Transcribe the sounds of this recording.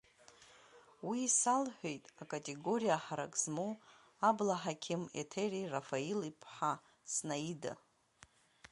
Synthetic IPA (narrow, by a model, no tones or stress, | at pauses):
wiːsalħʷᶣe̞jtʼakʼatʼe̞ɡo̞ɾijaħaɾa̰kʼzmu | ablaħakʲʰɪmḛtʰerirafailipʰħa | snaida̰